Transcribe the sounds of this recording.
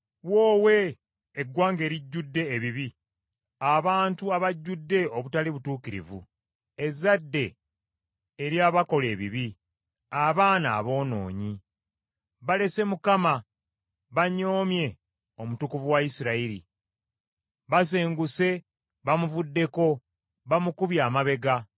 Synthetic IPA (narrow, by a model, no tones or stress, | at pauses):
wo̞ːwe̞ː | ɡwaːŋɡe̞ːɾiɟːudːe̞ːβiβi | aβaːntuaβaɟːudːe̞o̞βutaliβutuːkiɾḭvṵ | e̞zadːe̞ | ɾjaːβako̞le̞ːβiβi | aβaːna̰ːβo̞ːno̞̰ːɲi | βale̞se̞mukama | βaɲo̞ːmje̞ | o̞mutukuvuwaisiɾaiɾi | βas̬eːŋɡuse̞ | βamuvudːe̞ko̞ | βamukuβjaːmaβe̞ɡa